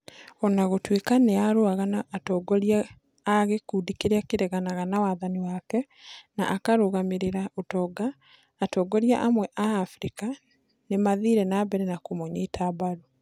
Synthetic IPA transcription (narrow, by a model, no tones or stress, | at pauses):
ɔnaɣotwekaneaɾoaɣanaʔːtɔɡɔɾiaː | ɣekuːdikeɾeakeɾɛɣanaɣanawaðaniwakɛ | na̰ʔakaɾoɣameɾeɾaotɔːɡaː | tɔɡɔɾjaʔamwɛʔaːfɾika | nemaðiɾɛnabɛɾɛnakomɔɲetʰaːbaɾo